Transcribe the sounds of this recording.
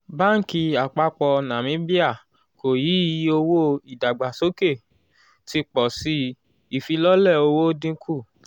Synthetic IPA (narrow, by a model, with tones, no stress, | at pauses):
ba˦ŋ̩˦ki˧a˨k͡pa˧k͡pɔ˧nã˨mĩ˨˦bi˦a˦˨ | ko˨ji˨˦o˧wo˦i˨da˨ɡ͡ba˨so˦ke˦˨ | ti˧k͡pɔ˨si˧ | i˨fi˧lɔ˦lɛ˦˨o˧wo˦dĩ˦˧˦kʰu˦˨